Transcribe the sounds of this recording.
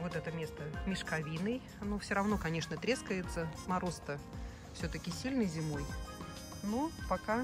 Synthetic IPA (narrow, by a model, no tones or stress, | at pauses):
vo̞t̪ɛt̪əmʲe̞st̪əmʲɪʂkɐvʲinɨj | nofsʲoɾɐvno̞kɐnʲe̞ʂnət̪ɾʲe̞skəjɪt̪səmɐɾost̪ə | fsʲɵt̪əkʲɪsʲilʲnɨjzʲɪmo̞j | nopɐka